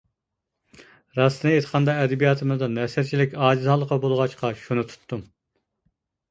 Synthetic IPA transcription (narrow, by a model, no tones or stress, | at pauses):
ɾɑst̪ɨnɨet̪ʰə̥qʰɑnd̪ɑɛd̪ɛbijɑt̪ʰɨmɨzd̪ɑnɛsæɾt͡ʃʰilɪkʲɑːd͡ʒizhɑlˠːəqʰɑbolˠʁɑt͡ʃqʰɑʃunut̪ʰu̥t̪ʰːum